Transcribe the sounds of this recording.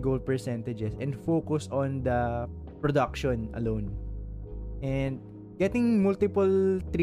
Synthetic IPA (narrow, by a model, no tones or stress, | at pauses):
ɡold̪̚pɛɹsɛ̃nt̪ɐd͡ʒɛsɛ̃nfokʊsɔ̃nd̪ɐ | pɹɔd̪ɐk̚ʃɔ̃nɐ̰lõwn | ʔɛnd̪̚ | ɡɛt̪ɪ̃ŋmʊlt̪ɪpʊlt̪ɾ